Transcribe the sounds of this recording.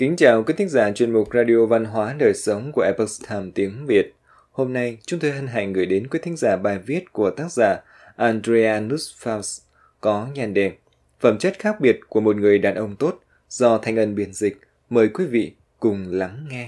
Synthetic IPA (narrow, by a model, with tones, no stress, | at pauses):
kï˨˦ŋ̟t͡ɕaː˨˩wkwi˨˦t̪ï˨˦ŋzaː˧˩t͡ɕwi˧˩ənmʊ˨˩k͡p̚zaː˧ɗi˧o˧va˧nɦwaː˨˦nəː˨˩jsə˨˦wŋ͡mku˧˩əʔɛ˧pə˨˦˩st̪ʰaː˧˩mt̪i˨˦əŋvi˨˩ət̚ | ho˧mna˧jt͡ɕʊ˨˦ŋ͡mt̪o˧jɦi˧ŋ̟ɦa̰˧˨ŋŋɨ˨˩əjɗe˨˦nkwi˨˦t̪ʰŋ̟zaː˧˩ɓaː˨˩jvi˦˥ət̚ku˧˩ət̪aː˦˥k̚za̰ː˧˩ | ʔaː˧ndɾe˧aː˧nu˦˥sfaː˧ws | kɔ˨˦ɲaː˧˩nɗɛ˧˨˩n | fəː˧˩mt͡ɕə˦˥t̚xaː˦˥k̚ɓi˨˩ət̚ku˧˩əmo˨˩t̚ŋɨ˨˩əjɗaː˨˩nʔə˧wŋ͡mt̪o˦˥t̚ | z̥ɔ˧t̪ʰa˧jŋ̟ʔə˧˩nɓi˧˩ənzï˨˩k̟̚ | məː˨˩jkwi˨˦vḭ˧˨ | kʊ˨˩ŋ͡mla˨˦ŋːɛ˧